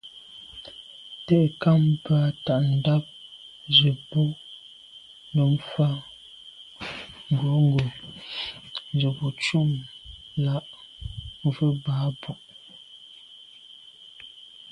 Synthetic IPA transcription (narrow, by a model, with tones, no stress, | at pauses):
tɛ˦˨ʔka˦mpa˨˦ta˨ʔn̩˨da˦p̚ | d͡ʒə˨bu˦ | nə˨m̩˦fa˦ | ŋ̩˨ɡo˨˦ŋ˦ɡo˨ | n˦d͡ʒə˨bu˨t͡ʃu˦˨mla˦ʔ | və˦ba˨˦bu˨ʔ